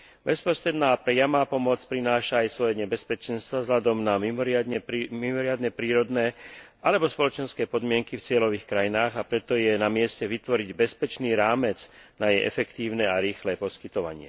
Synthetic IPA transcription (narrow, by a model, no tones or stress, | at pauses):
bɛspɔsɾɛd̪naːpɾɛjamaːpɔmɔt͡spɾinaːʃaːjsʋɔjɛɲɛbɛspɛt͡ʃɛnst̪ʋavzlad̪ɔmnamimɔɾɪad̪ɲɛpɾimimɔɾɪad̪nɛpɾiːɾɔd̪nɛː | ʔalɛbɔspɔlɔt͡ʃɛnskɛːpɔd̪mɪɛŋkift͡sɪɛlɔʋiːxkɾajinaːɣapɾɛt̪ɔjɛnamɪɛscɛʋit̪ʋɔɾiɟbɛspɛt͡ʃniːɾaːmɛt͡s | najɛjʔɛ̰fɛkt̪iːʊnɛaɾiːxlɛpɔskit̪ɔʋa̰ɲɪɛ̰